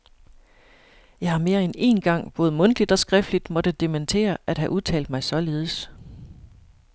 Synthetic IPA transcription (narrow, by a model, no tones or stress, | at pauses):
jɑ̈ɪhɑ̈me̝ːɐene̝̰nɡ̥ɑ̈ŋ̰b̥ɔ̽ːð̩ˠmɔ̽nd̥lid̥ɒ̽sɡ̥ʁɛfd̥lid̥mɒ̽d̥əd̥e̝mænt͡sʰe̝̰ːɐʔæd̥ɦæʔuðˠt͡sʰɛ̰ːld̥mɑ̈ɪsɒ̽le̝ːð̞ˠəs